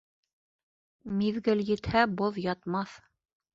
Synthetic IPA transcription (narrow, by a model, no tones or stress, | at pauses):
miðɡɘljɘ̆t̪hæboðjɑt̪mɑθ